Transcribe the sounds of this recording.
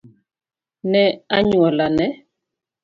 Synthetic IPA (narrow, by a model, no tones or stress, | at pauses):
nɛaɲwɔlanɛ